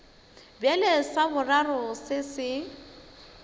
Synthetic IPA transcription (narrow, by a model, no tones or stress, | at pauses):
bjalesabʊrarʊsɪsɪ